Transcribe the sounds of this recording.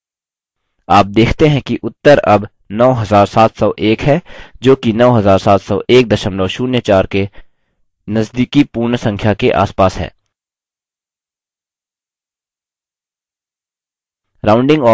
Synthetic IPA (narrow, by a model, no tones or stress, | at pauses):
aːp̚d̪eːkʰt̪eɦɛ̃kiʔʊt̪ːəɾɐb | nɔːɦɐzaːɾsaːt̪ʰsɔːʔeːkɦɛd͡ʒoːkinɔːɦɐzaːɾsaːt̪ʰsɔːʔeːk̚d̪ɐʃəmlɔːʃuːnjət͡ʃaːɾke | nɐzd̪iːkipuːɾɳsɐ̃ŋkʰjakeʔa̰ːspaːsɦɛ̰ː | ɾaːʊ̃ɳɖɪ̃ŋɡɔː